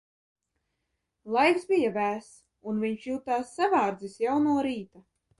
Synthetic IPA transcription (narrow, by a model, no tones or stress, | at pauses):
lˠajkzbijavæːs | unviɲʃjuːt̪aːsːavaːɾd̪zisjawnuːɔɾiːt̪a